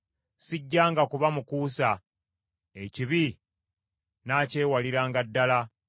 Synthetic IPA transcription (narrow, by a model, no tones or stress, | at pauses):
siɟːaːŋɡakuβamukuːsa | eciβi | naːce̞ːwaliɾaːŋɡadːala